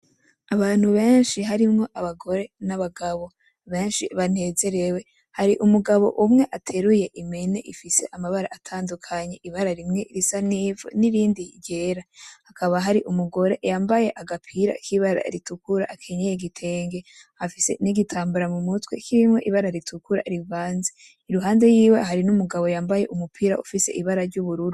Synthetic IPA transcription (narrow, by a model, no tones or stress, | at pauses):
aβaːn̥huβe̞ːnʃiɦaɾimŋo̞ʔaβaɡo̞ɾe̞naβaɡaβo̞ | βe̞ːnʃiβane̞ːze̞ɾe̞we̞ | haɾiʔumuɡaβo̞̰ʔumŋe̞ʔatʰe̞ɾuje̞ʔimene̞ʔifise̞̰ʔamaβaɾa̰ʔːtʰaːndukʰaɲe̞ʔiβaɾaɾimŋe̞iɾisanivṵniɾiːndiɟe̞ːɾahakʰaβaɦaɾiʔumuɡo̞ɾe̞̰jaːmbaje̞ʔaɡapʰiɾa̰kiβaɾa̰ɾitukuɾaʔːkʰe̞ɲejeɡitʰe̞ːŋɡe̞ | hafise̞̰niɡitʰaːmbaɾamumutwḛkiɾimŋo̞ʔiβaɾaɾitʰukuɾa̰ɾivaːnze | iɾuɦaːnde̞jiːwe̞ɦaɾinumuɡaβo̞jaːmbaje̞̰ʔumupʰiːɾa̰ufise̞̰ʔiβaɾaɾɟuβuɾuɾu